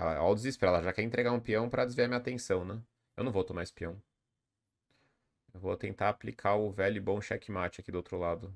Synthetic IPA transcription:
ɛ̰lɐ̰a̰wd̪ɪzispɾaɛlɐʒakɛɾẽnt̪ɾeɡaɾũpiɐ̃w̃pɾɐd͡ʒɪzviaɐmiɲat̪ẽsɐ̃w̃nɛ̃ | ewnɐ̃w̃vowt̪omaɪspiɐ̃w̃ | ewvot̪ẽnt̪aːplikʰaʊvɛʎʊɪbõʃɛkɪmat͡ʃɪakid̪owt̪ɾʊlad̪ʊ

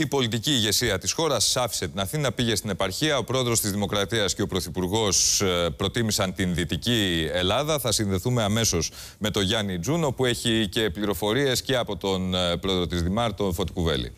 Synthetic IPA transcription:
ipo̞lit̪iciːʝe̞siɐt̪isxo̞ɾɐsːɐfi̥se̞t̪inɐθinɐpiʝe̞st̪ine̞pɐɾçiɐo̞pɾo̞e̞ðɾo̞st̪izðimo̞kɾɐt̪iɐsce̞o̞pɾo̞θipuɾɣo̞spɾo̞t̪imisɐnt̪inðit̪icie̞lɐðɐθɐsinðe̞θume̞ɐme̞so̞z | me̞t̪o̞ʝɐnid͡zuno̞pue̞çice̞pliɾo̞fo̞ɾie̞sce̞ɐpo̞t̪o̞npɾo̞e̞ðɾo̞t̪izðimɐɾt̪o̞fo̞t̪i̥kuve̞̰lḭ

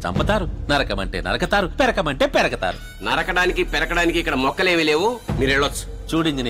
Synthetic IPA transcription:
t͡ʃɐ̰mpɐt̪aːɾunɐɾɐkɐmɐ̰ɳʈeːnɐ̰ɾɐkɐt̪aːɾupɛɾɐkɐmɐɳʈe̞ːpɛɾɐkɐt̪a̰ːɾu | nɐɾɐkɐɽaːnikipɛɾɐkɐɽaːnikiikːɐɽɐmɔkːɐle̞ːmileːʋomiːɾeɭːɐt͡ʃːu̥t͡ʃuːɽiɲd͡ʒin

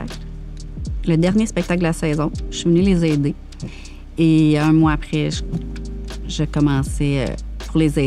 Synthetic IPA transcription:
a̰kl | ləd̪ɛʁnjespɛk̚t̪ak̚d̪əlasɛːzɔ̃ʃivənylezɛːd̪e | eɛ̃mwaapχɛʒ | ʒəkɔmɑ̃ːseø̰puʁlezɛ

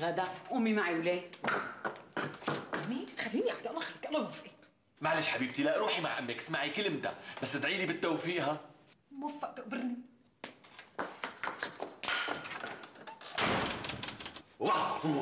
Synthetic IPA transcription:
ɣad̪aʔuːmimaʕiwleː | ʔamiːnxalːiːniʔaħd̪aʔlˤɑxlkʔɑlɑvʔi | maʕleːʃħabiːb̚t̪ilaʔɾuːħima̰ʕʔamːeksmaʕikɪlɪmd̪a̰basːɪt̪ʕiːlibɪt̪ːawfiːʔɦamʊfːaʔt̪ʊʔbɪɾni | wa

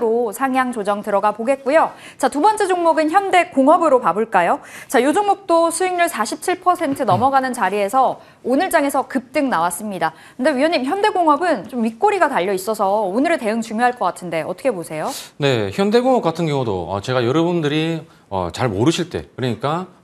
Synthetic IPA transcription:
ɾosʰaŋjaŋt͡ɕod͡ʑʌŋtɯɾʌɡapoɡe̞t̚k͈ujo | t͡ɕatubʌnt͡ɕ͈ed͡ʑoŋmoɡɯnçjʌnde̞koŋɦʌbɯɾopabɯɭk͈ajot͡ɕajod͡ʑoŋmok̚t͈osʰueŋɲuɭsʰaɕʰip̚t͡ɕʰiɭpʰʌsʰe̞ntʰɯnʌmʌɡanɯnt͡ɕaɾie̞sʰʌ | onɯɭt͡ɕ͈aŋe̞sʰʌkɯp̚t͈ɯŋnawas͈ɯmɲida | kkɯnde̞ɥijʌɲːimçjʌnde̞ɡoŋɦʌbɯnt͡ɕomːik͈oɾiɡataʎːʌis͈ʌsʰʌonɯɾeɭte̞ɯŋt͡ɕuŋjoɦaɭk͈ʌk͈atʰɯnde̞ʌtʰʌkʰe̞posʰe̞jone̞çjʌnde̞ɡoŋʌp̚k͈atʰɯnɡjʌŋudo̰ʌ̰t͡ɕe̞ɡajʌɾʌbundɯɾi | ʌ̰t͡ɕaɭmoɾɯɕʰiɭt͈e̞̰kɯɾʌɲik͈a

